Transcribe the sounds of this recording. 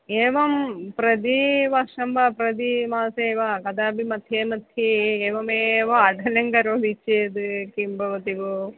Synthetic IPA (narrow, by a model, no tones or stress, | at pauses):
eːʋɐmpɾɐd̪iʋɐʂɐmbɐpɾɐd̪imaːseːʋɐkɐd̪aːbʱimɐt̪ʰːeːmɐt̪ʰːieːʋɐmeːʋɐːɖʱɐlɐŋɡɐɾoːd̪it͡ʃːeːd̪ukimbʱɐʋɐt̪iʋu